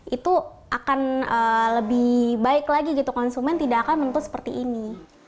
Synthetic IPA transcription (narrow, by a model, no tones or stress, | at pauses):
it̪uʔakanəːləbɪhbaɪklaɡiɡit̪ukɔnsumɛnt̪idaːkanmənt̪ʊt̪sə̥pərt̪ḭʔini